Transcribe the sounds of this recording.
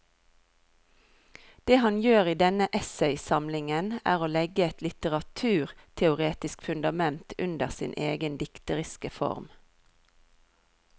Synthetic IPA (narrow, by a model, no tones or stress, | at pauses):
d̪̥eːhɑnjøːʁiːd̪ɛnəʔɛsɛɪsɑmlɪŋənæ̰ːʁoːlɛɡəɛt̪lɪt̪əʁɑt̪ʰʉːʁt̪ʰɛʊʁeːt̪ɪskfʉnd̪ɑmɛnt̪ʰʉnd̪əʁsɪ̰ːnʔeːɡənd̪ɪkt̪əʁɪskəfɔ̰ʁm